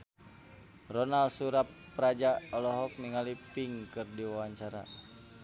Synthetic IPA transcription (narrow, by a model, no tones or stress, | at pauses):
rɔnalsuɾapːɾad͡ʒaɔlɔɦɔk̚niŋalipiŋkɨrdiwawaɲt͡ʃaɾa̰